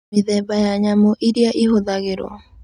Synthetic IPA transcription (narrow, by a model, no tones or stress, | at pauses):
ɪðɛbajaɲamoʔiɾjaʔiɦoðaɡɪɾo̰